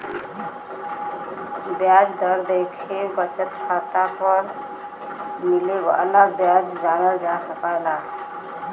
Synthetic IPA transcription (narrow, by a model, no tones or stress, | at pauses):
bjad͡ʒd̪əɾd̪ekʰebət͡ʃət̪pʰət̪apəɾ | mileba̰laɡbjad͡ʒd͡ʒañəld͡ʒasəkaɪla